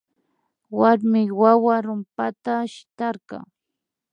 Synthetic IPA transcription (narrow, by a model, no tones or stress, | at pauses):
waɾmɪwawaɾʊmpat̪aʃɪ̥t̪ɑɾɢɑ̰